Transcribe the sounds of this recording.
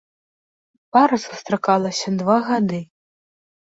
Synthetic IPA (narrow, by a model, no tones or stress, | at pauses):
paɾɐsu̥st̪ɾakalˠɐsʲɐd̪vaɣad̪ɨ